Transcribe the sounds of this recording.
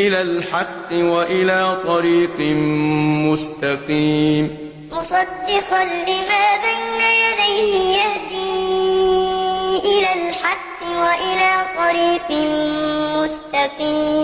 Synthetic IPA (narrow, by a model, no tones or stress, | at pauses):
ʔɪlaːlħɑqːɨwaʔɪlaːt̪ˤɑɾiːq | mʊst̪aqiːm | mʊsˤɑd̪ːɪqɑnlɪmaːbajnajad̪ajhɪjahd̪iː | ʔɪlaːlħɑqːɨwaʔɪlaːt̪ˤɑɾiːq | mʊst̪aqiːm